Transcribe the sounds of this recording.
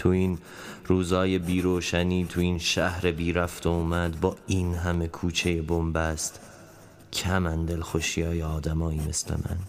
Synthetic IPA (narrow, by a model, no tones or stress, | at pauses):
t̪ʰuin | ɾuːzɒːje̞biːɾoːʃæniːt̪ʰuiːnʃæhɾe̞biːɾæft̪ouːmæd̪bɒːinɦæme̞kʰuːt͡ʃʰe̞jebombæst̪ | cʰæmænd̪elxoʃijɒːjeɒːd̪æmɒːiːme̞̰slḛmʔæ̰n